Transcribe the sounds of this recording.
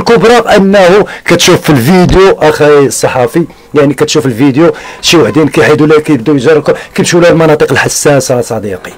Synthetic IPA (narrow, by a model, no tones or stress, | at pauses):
lkʊbɾˤɑʔənːæhukæt̪ʃufːilvid̪joʔæxæəsˤːɑħɑfi | jaʕnikæt̪ʃufilvid̪joʃiwəħd̪inkæjħid̪ulækæjəb̚d̪ujʒɑrˤkʊkæmʃulælmɑnɑt̪ˤəqəlħasːæsæsˤɑd̪iqi̥